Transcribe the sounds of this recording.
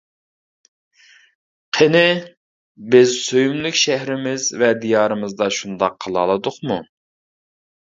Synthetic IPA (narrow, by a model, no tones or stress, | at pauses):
qʰenɪ | bɪzsøjymlykʲʃæɦɾɪmɪzvɛd̪ijɑːɾɨmɨzd̪ɑʃund̪ɑqʰːəlˠɑ̰lˠɨd̪ʊχmu